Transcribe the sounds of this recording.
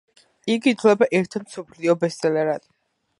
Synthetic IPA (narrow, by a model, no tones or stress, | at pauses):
iɡidt̪ʰlɛbaʔɛɾt̪ʰmsɔpʰliɔbɛst̪ʼɛlɛɾat̪ʼ